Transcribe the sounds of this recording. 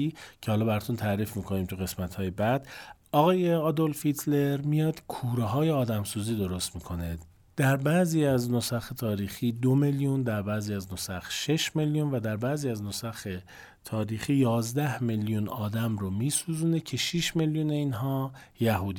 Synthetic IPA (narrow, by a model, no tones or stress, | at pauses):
icʰehɒːlɒːbæɾɛt̪ʰunt̪ʰæɾiːfmiːkʰoniːmt̪ʰuɣe̞smæt̪hɒːjebæd̪ | ɒɣɒːjeɒːd̪olfit̪ʰle̞ɾmijɒːd̪̥kʰuːɾeɦɒːjeɒːd̪æmsuːziːd̪o̞ɾost̪miːkʰo̞ne | d̪̥æɾbæziːæznosæxet̪ʰɒːɾiːxiːd̪ome̞ljund̪æɾbæːziːæznosæxʃe̞ʃme̞ljunvæd̪æɾbæːziːæznosæxe̞ | t̪ʰɒːɾiːxiːjɒːzd̪æhme̞ljunɒːd̪æmɾomiːsuːzuːne̞cʰe̞ʃiʃme̞ljuːne̞inɦɒː | jæɦuːd̪i